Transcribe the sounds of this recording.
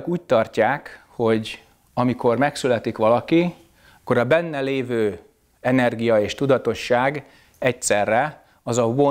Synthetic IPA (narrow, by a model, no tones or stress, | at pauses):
kuːct̪ɒrcaːk | ho̞ɟ | ɒmiko̞rmɛksylɛt̪ikʋɒlɒki | ɒkːo̞ɾɒbɛnːɛleːvøː | ɛnɛrɡijɒeːʃt̪ud̪ɒt̪o̞ʃːaːɡ | ɛcsɛrːɛ | ɒzɒvo